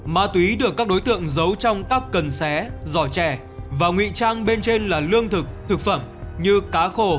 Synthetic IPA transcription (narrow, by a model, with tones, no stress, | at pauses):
maː˧t̪wi˨˦ɗɨ˨˩əkaː˦˥k̚ɗo˨˦jt̪ɨ̰˧˨əŋzə˨˦wt͡ɕɔ˧wŋ͡mkaː˦˥kːə˨˩nsɛ˨˦zɔ˧˩t͡ɕɛ˧˩ | vaː˨˩ŋwḭ˧˨t͡ɕaː˧ŋɓe˧nt͡ɕe˧nlaː˨˩lɨ˧əŋt̪ʰɨ˨˩k̚t̪ʰɨ˨˩k̚fə˧˩mɲɨ˧kaː˨˦xo˧˩